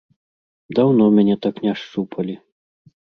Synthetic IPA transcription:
d̪awnɔmʲanʲɛt̪aknʲaʂt͡ʂupʰɐlʲi

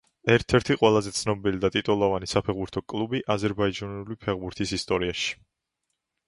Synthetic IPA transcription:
ɛɾt̪ʰɛɾt̪ʰiqʼwɛlˠazɛt̪sʰnɔbilid̪at̪ʼit̪ʼɔlˠavanisapʰɛʁbuɾt̪ʰɔkʼlˠubiʔazɛɾbaid͡ʒanulipʰɛʁbuɾt̪ʰisist̪ʼɔɾiaʃi̥

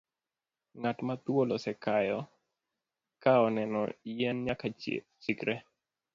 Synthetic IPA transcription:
ŋatmat̪wolɔsɛkajɔ | kaɔnɛnɔ̰jɛnɲaka | t͡ʃikɾe

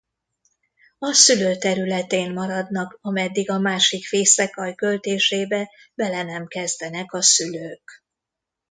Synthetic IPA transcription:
ɒsyløːt̪ɛɾylɛt̪eːnmɒɾɒd̪nɒkɒmɛd̪ːiɡɒmaːʃikfeːsɛkɒjkø̞lt̪eːʃeːbɛ | bɛlɛnɛmkɛzd̪ɛnɛkɒsyløːk

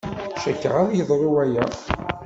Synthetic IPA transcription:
ʃækːə̰ʁæðjəðˤɾˤuwæjæ

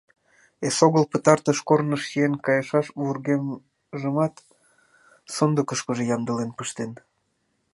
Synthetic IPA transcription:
esoɣəlpət̪ɑrt̪əʃkornəʃsienkɑjəʃɑʃβurɣem | ʒəmɑt̪ | sond̪əkəʃkəʒejɑmd̪əlenpəʃt̪en

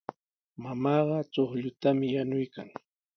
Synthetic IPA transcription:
mamɑːɢɑt͡ʃoχʎʊt̪amɪjanʊjka̰ŋ

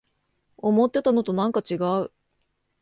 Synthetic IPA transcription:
o̞mo̞t̪ːe̞t̪ano̞t̪o̞nãŋkat͡ɕiɡaɯ̟

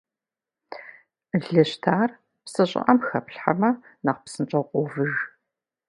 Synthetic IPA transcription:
ɮɐɕtʰaːr | psɨɕʼɪ̰ʔɐmxɐpɬħa̰mɐnaqpsɨnt͡ʃʼɐqʷʼɔvɨʒ

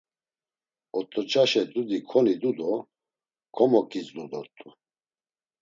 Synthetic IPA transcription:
ɔt̪ʼɔt͡ʃʼaʃɛd̪ud̪ikʰɔnid̪ud̪ɔ | kʰɔmɔkʼit͡sd̪ud̪ɔt̪ʼu

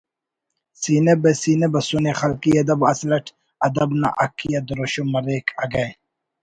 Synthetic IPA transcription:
siːnebesiːnebɐsunexɐlkiɐd̪ɐbɐslɐʈʰ | ɐd̪ɐbna̰ʔɐkʰːijɐd̪ɾoɕumɐɾeːkɐɡɐ

